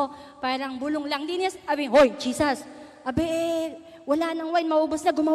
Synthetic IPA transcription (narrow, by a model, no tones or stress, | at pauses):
paːɾɐŋbʊlʊŋlɐŋlinɛsʔɐbɪɦojd͡ʒiːsɐs | ʔɐbɛʔ | wɐlanɐŋwajnmɐʔubosnaɡʊma